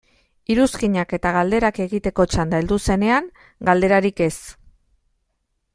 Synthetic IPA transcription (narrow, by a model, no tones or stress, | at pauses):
iɾuskiɲake̞t̪aɣ̞ald̪e̞ɾake̞ɣit̪e̞ko̞t͡ʃand̪aeld̪use̞ne̞aŋ | ɡald̪e̞ɾaɾike̞s